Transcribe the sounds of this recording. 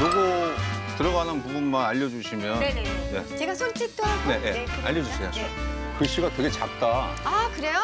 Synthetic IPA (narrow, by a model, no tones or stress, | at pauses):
kɯɾiɡotɯɾʌɡanɯnpubunmanaʎːʌd͡ʑuɕʰimjʌnnne̞̰t͡ɕeɡasʰont͡ɕ͈ik̚t͈one̞jea̰ʎːʌd͡ʑusʰe̞jo | kɯɕ͈iɡakɯɡe̞t͡ɕak̚t͈aakɯɾe̞jo